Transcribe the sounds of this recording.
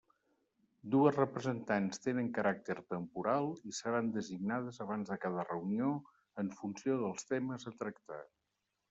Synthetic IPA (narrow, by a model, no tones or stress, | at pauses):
d̪uəzrəpɾəzənt̪anst̪enəŋkəɾʔak̚t̪əɾt̪əmpuɾalˠisəɾand̪əziɡnað̞əzəβ̞anzðəkað̞ərəunio | əɱfunsioðəlˠst̪eməzət̪ɾəkt̪a̰